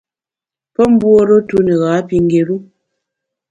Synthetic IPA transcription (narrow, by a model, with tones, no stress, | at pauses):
pə˦m̩˦bwo˦ɾo˦tu˦ne˨ɣaː˨˦pi˨ŋ˦ɡe˨ɾu˦